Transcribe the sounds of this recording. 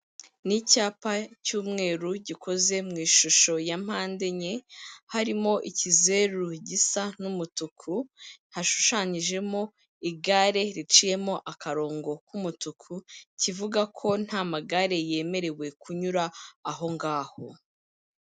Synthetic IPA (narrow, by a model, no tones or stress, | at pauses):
nicaːpacuːmŋe̞ːɾuɟikʰo̞ze̞mŋiːʃuʃo̞jam̥haːnde̞ɲe̞haɾimo̞ʔicize̞ɾuɟisanumutukʰunhaʃu̥ʃaɲiʒe̞mo̞ | iɡaɾe̞ɾit͡ʃije̞mo̞ʔakaɾo̞ːŋɡo̞kumutukʰucivuɡakʰo̞n̥hamaɡaɾe̞je̞ːme̞ɾe̞we̞kuɲuɾaːɦo̞ŋɡaːho̞